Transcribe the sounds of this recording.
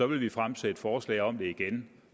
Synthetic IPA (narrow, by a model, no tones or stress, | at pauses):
ɒ̽ʋe̝lʋifʁamsed̥fɒːslɛ̰ːɪɒ̽md̥e̝iɡ̥en